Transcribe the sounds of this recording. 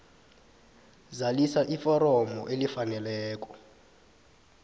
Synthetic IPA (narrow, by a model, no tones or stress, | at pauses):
zalisaʔifɔɾɔmɔʔelifanɛlɛːk̬ʼɔ̥